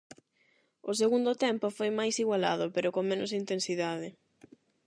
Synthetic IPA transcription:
ʊs̬eɣund̪ʊt̪ɛmpʊfojmajsiɣwala̰ð̞ʊpeɾʊkoŋmẽnʊsint̪ensiðaðɪ

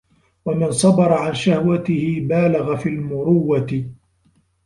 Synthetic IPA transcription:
wamɪnsˤɑbɑɾˤɑʕanʃahwat̪ɪhɪbaːlaɣafiːlmʊɾʊwːat̪ɪ

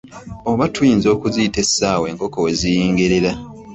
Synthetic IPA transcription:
oβatʰujiːnzo̞ːkuzijite̞sːaːwe̞ːŋko̞kowe̞zijiːŋɡeɾeɾa

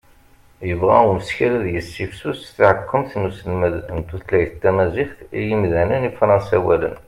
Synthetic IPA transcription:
jəvʁæʊməsçælæðjəsːifsusθʕəkːəmθnusðnt̪uθlæjθt̪ːæmæziħθijimðænənifɾˤɑnsæwælə̰n

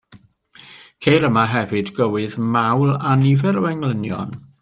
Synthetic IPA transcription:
kʰejɾəmaɦɛvɨdɡəwɨðmawlˠanivɛɾəwɛŋlˠənjɔ̰n

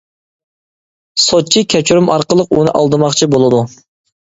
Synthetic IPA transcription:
sot͡ʃʰikʲʰɛt͡ʃʰuɾumʔɑɾqəlˠəqunɨ̰ʔɑ̰lˠd̪ɨmɑχt͡ʃʰibolˠɨd̪u

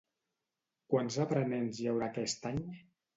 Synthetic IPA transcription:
kwanzapɾənɛnzjawɾakɛst̪aɲ

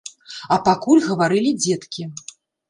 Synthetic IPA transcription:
ɐpakulʲɣɐvaɾɨlʲid͡zʲɛt̪kʲi

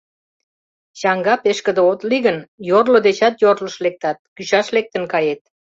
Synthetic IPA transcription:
ɕɑŋɡɑpeʃkə̆d̪eot̪liɣənjorlod̪et͡ɕɑt̪jorləʃlek̚t̪ɑt̪̚kyɕɑʃlek̚t̪ə̆nkɑjet̪̚

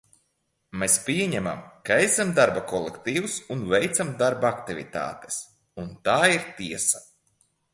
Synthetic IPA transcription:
mespʲiɛɲɛma̰mkaesamd̪aɾbakɔlˠekt̪iːwusunvɛjt̪samd̪aɾbak̚t̪ivʲḭt̪a̰ːt̪e̥s | unt̪aːiɾt̪iɛsa

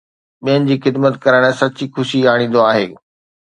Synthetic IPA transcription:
ɓijənɪ̆d͡ʑiːxɪd̪mət̪kɐɾəɽ̃sɐt͡ɕixʊʃiaːɽ̃ĩːn̆d̪oaːɦeː

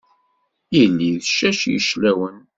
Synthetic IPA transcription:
jilːiðʃæʃjə̰ʃlæwən

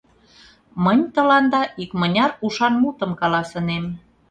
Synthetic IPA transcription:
mənʲt̪ə̆lɑnd̪ɑʔikmənʲɑɾuʃɑnmut̪əmkɑlɑsə̆nem

